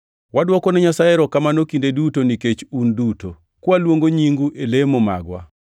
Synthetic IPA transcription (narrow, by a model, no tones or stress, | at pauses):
wadwɔkɔnɛɲasaeɾɔkamanokindedutoniket͡ʃunduto | kwalwoŋɡoɲiŋɡuʔelemoma̰ɡwa̰